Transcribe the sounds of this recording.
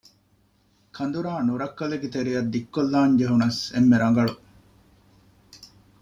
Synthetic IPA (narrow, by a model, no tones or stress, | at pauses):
kʰɐnd̪uɾaːnuɾɐkːɐleɡet̪eɾijɐd̪ːikːolːaːɲd͡ʒeɦunɐsḛmːeɾɐŋɡɐɭu